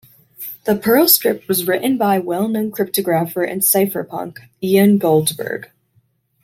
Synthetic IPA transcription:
ðəpʰɜ˞lˠskɹ̥ɪp̚t̚wʌzɹɪʔn̩baɪwɛlˠnõʊ̃nkʰɹ̥ɪp̚tɨɡɹæfə˞ʔɨ̰̃nsaɪfə˞pʰʌ̰̃ŋk | iɨ̃nɡoʊlˠdzbə̰˞ɡ̥

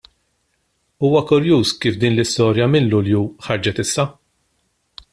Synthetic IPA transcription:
uːwɐkʊɾjuːskiːfd̪iːnlɪst̪ɔːɾjɐmɪnlʊljuħɐɾd͡ʒɛt̪ɪsːɐ

